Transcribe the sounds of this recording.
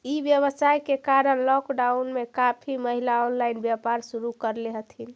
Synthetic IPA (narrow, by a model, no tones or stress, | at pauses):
ibjəβəsajkekaɾənlɔkɖaunmekapʰiməɦilaɔnlainbjapaɾsuɾukəɾleɦət̪ʰin